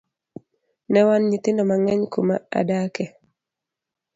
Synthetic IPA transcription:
nɛwanɲit̪ɪnɔmaŋɛɲkuma̰a̰dakɛ

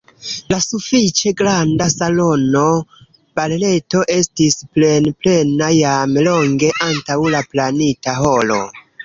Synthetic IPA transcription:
lasufit͡ʃe̞ɡɾandasalo̞no | b̥alːe̞to̞ʔe̞stisple̞nple̞najamlo̞ŋɡe̞ʔantawlaplanitaɦo̞lo̞̰

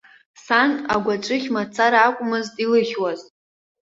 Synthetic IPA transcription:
sana̰ɡʷaʈ͡ʂʷʼɨχʲmat͡sʰaɾakʷʼʊmɨztʼilɨχʲwaz

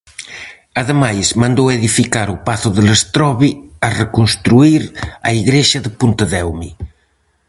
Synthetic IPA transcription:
aðemajzmãnd̪oweðifikaɾupaθoðəlest̪ɾɔβiarekonst̪ɾuiɾa̰iɣɾeʃɐðepunt̪əðɛwmi

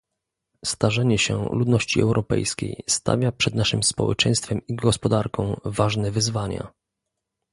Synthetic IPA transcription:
st̪aʐɛɲɛɕɛlud̪nɔɕt͡ɕiɛ̰wɾʔɔpɛ̰jskʲḛjst̪a̰vʲjapʂɛd̪naʂɘmspɔ̰wɛ̰t͡ʂɛ̃j̃st̪fɛmiɡɔspɔd̪aɾkɔ̃w̃vaʐnɛvɘzvaɲa̰

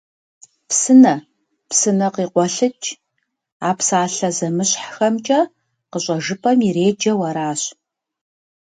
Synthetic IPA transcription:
psɨnɐ | psɨnɐqiːqʷɔɬɨt͡ʃʼ | aːpsaːɬɐzɐmɨɕħxɐmt͡ʃʼɐ | qəɕʷʼɐʒɨpʰɐmiɾeːd͡ʒɐwɐɾaːɕ

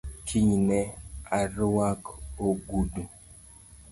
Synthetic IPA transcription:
kʰiɲnɛaɾwakoɡudu

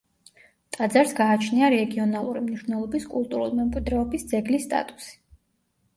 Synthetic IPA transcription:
t̪ʼad̪zaɾsɡaːt͡ʃʰniaɾɛɡiɔnalˠuɾimniʃnɛlˠɔbiskʼulˠt̪ʼuɾṵlimɛmkʼwid̪ɾɛɔbisd̪zɛɡlisːt̪ʼa̰t̪ʼu̥si̥

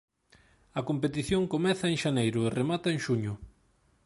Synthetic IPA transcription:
ɐkompet̪iθjoŋkomɛθɐeŋʃanejɾʊeremat̪ɐeŋʃuɲʊ

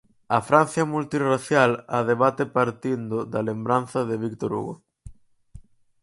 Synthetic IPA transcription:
ɐfɾan̟θjɐmult̪iraθjalaðeβat̪epaɾt̪ind̪ʊd̪alembɾan̟θɐðeβikt̪oɾṵɣo̰

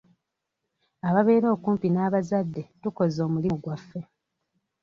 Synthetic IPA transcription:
aβaβe̞ːɾo̞ːkuːmpinaːβazadːe̞tuko̞zo̞ːmuliɡwafːe̞

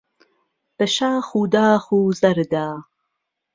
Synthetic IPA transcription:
b̥əʃaːxuːd̪aːχuːzɐɾd̪aː

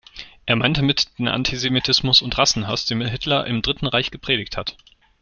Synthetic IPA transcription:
ʔeːɐmaɪntəmɪtd̥eːnʔa̰ntʰizemitʰɪsmʊsʊntʁasn̩ɦasd̥eːnmɪhɪtlɐʔɪ̰mdʁɪtn̩ʁaɪçɡ̥əpʁ̥eːɾɪçthat

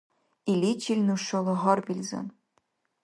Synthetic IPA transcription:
ilʲit͡ɕilʲnuʃːɤ̆lˠɤ̆ʁɤ̆rbʲilʲzḛn

